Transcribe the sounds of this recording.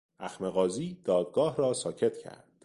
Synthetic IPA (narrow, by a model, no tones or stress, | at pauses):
ʔæxme̞ɣɒːziːd̪ɒːd̪̚ɡɒːhɾɒːsɒːcʰe̞t̪ʰcʰæ̰ɾd̪̥